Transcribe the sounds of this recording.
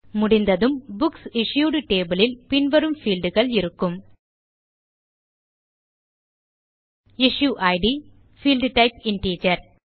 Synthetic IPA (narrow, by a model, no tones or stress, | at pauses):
mʊɽɪnd̪ɐðɯmbʊksɪʂjuːɽʈeːbɐlɪlpɪnʋɐɾɯmfiːlɖɯɣɐɭɪɾɯkːɯm | ɪʂjuːʔɐɪɖi | fiːlɖʈɐɪpɪnʈiːd͡ʒɐɾ